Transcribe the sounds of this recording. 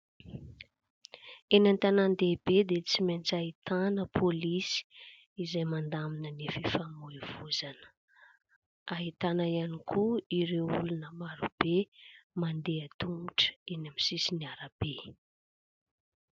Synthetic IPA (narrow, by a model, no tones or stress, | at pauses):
enant̪anand̪ebed̪et͡siment͡saɦit̪anəpʰolisi̥ | izajmand̪aminənefifamuev̥uzanə̥ | aɦit̪anaianikʰuiɾewulunəmaɾub̥emand̪eat̪umuʈ͡ʂə̥enamisisiniaɾab̥e